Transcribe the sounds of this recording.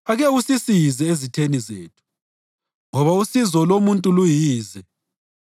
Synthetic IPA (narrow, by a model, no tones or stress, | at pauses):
aɣɛusisijizɛezitʰenizḛːtʰu̥ | ŋɔβausizɔlomuntʼulujiːzɛ